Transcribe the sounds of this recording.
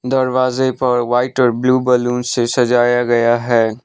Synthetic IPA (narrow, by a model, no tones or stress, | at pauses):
d̪ɐɾʋaːzepɐɾʋaːɪʈɔːɾbluːbəlũːnsesɐd͡ʒaːjaɡɐjaɦɛː